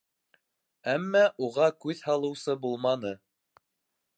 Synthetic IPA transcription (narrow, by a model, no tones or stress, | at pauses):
æmːæʔuʁɑkʉðhɑlˠɤ̆wsɤbulˠmɑnɤ